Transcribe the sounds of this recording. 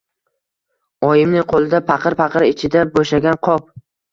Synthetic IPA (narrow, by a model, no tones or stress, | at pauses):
ɒjɪmnɪŋqʰolˠɪd̪apʰɑqʰɨɾpɑqɨɾɪt͡ʃʰɪd̪aboʃaɡʲanqʰɒp̚